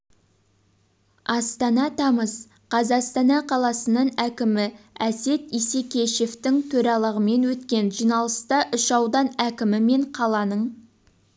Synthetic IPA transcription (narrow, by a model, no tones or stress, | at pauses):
ɑst̪ɑnɑt̪ʰɑməs | qʰɑzɑqst̪ɑnɑqʰɑlˠɑsənəɴækʲɪmɪæse̞t̪ise̞kʲe̞ʃe̞ft̪ɪŋt̪ʰɵɾɑlˠəʁəme̞nwɵt̪kʲe̞nʒijnɑlˠəst̪ɑʔʏʃɑwd̪ɑnækʲɪmɪme̞ɴqʰɑlˠɑnəɴ